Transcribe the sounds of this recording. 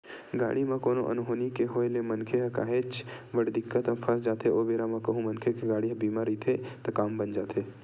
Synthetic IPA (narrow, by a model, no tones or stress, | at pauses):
ɡa̰ːɽimãkoːnõʔɐ̰nɦoːnikeɦoelemɐnkʰeɦɐka̰ːɦeːt͡ʃʋəɽd̪ɪkːət̪ãpʰɐsd͡ʒaːt̪eʔoːbeːɾamɐ̃kɐɦũmɐnkʰekeɡaːɽiɦɐ̃biːmaɾit̪ʰet̪ɐkaːmbɐnd͡ʒaːt̪ʰeː